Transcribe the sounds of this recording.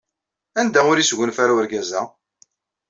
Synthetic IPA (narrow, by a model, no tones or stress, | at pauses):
ænd̪æʊɾisʝʷʊnfaɾawəɾɡæzæ